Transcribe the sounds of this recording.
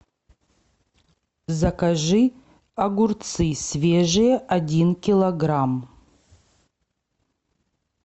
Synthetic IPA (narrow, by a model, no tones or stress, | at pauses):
zɐkaʐɨ | ɐɡurt̪t͡sɨsvʲeʐɨjɛʔadʲinkʲilˠɐɡram